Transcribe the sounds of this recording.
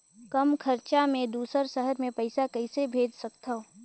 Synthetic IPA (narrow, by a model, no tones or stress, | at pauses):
kəmkʰəɾt͡ʃamẽd̪uːsəɾsəɦəɾmẽpɐɪsakɐɪsebʱeːd͡ʒsək̚t̪ao